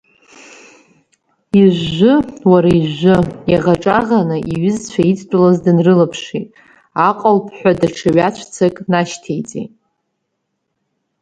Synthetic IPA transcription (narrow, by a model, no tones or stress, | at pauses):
iʒːʊwaɾaiʒʷʊjaʁaʈ͡ʂʼaʁanɨʔiɥɪzt͡ɕʷʰait͡sʰʼt͡pʷʼʊlazdɨnrɨlapʰʂitʼ | aqʼalpʰħʷadaʈ͡ʂʰaɥat͡ɕʷʰt͡sʰakʼnaʃtʰejt͡sʼḛtʼ